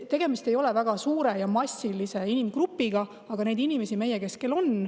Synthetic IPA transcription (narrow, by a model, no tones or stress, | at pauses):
t̪e̞ɡ̥e̞mist̪e̞jo̞lɛ̞væɡ̥ɑsuːɾe̞jɑmɑsʲːilise̞inimɡ̥rupːˑiɡ̥ɑ | ɑɡ̥ɑne̞jd̪inime̞sime̞jeke̞skelo̞n